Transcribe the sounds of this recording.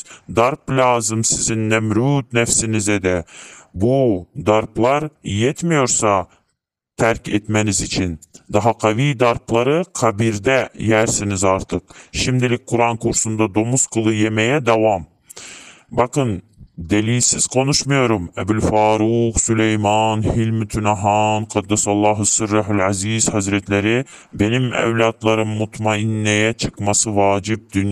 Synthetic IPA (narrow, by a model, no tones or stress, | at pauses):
d̪ɑɾplʲɑːzɨmsɪzɪnnæmɾut̪næfsɪnɪzɛd̪ɛbud̪ɑɾplˠɑɾjet̪mɪjoɾsɑ | t̪ʰæɾkʲet̪mænɪzit͡ʃʰɪnd̪ɑɦɑqʰɑvijd̪ɑɾplˠɑɾɯqʰɑbiɾd̪ɛjæɾsɪnɪzɑɾt̪ʰɯqʃɪmd̪ɪlɪk̚ʲqʰʊɾɑŋkʰuɾsund̪ɑd̪omusqʰəlˠɨjemɛjɛd̪ɑwɑm | bɑqɯn | d̪ɛliːsɪz̥qʰonuʃmujoɾumɛbulfɑːɾuqsulɛjmɑnhilmɪt̪ʰynɑɦɑnqʰɑd̪ːɛsɑlˠːɑːɦɨsɨɾːɑɦulʕæzizhæzɾɛt̪læɾɪ | benimɛ̰wlɑt̪lˠɑɾɯmːut̪ʰmɑinːɛjɛt͡ʃʰɨqmɑsɯvɑːd͡ʒib̚d̪yn